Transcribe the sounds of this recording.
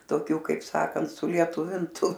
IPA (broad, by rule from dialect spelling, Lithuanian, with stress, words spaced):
toːˈkʲuː kɐɪp ˈsɑːkɐnt sʊlʲiɛˈtʊʋʲɪntʊ